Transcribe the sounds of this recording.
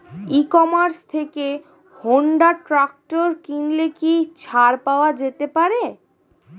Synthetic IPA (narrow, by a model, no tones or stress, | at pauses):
ikɔmaɾst̪ʰeke | hoɳɖaʈɾak̚ʈoɾkiŋlekit͡ɕʰaɾpaoad͡ʑet̪epaɾe